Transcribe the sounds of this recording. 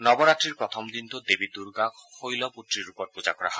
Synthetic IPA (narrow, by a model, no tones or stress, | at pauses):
nɔbɔɾaʈɾiɾpɾɔt̪ʰɔmd̪int̪od̪ebid̪uɾɡakhojlɔput̪ɾiɾupɔɾ̚pud͡ʒakɔɾaɦɔe